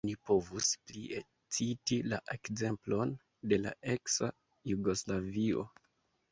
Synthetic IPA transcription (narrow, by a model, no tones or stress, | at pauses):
nipo̞vusplie | t͡sitilaʔe̞kze̞mplo̞n | de̞la̰ʔe̞ksa | juɡo̞slavio̞̰